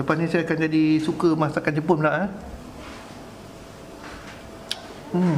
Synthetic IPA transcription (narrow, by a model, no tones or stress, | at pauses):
ləpasnĩsajakand͡ʒadisukəmasakand͡ʒəpʊnlaʔa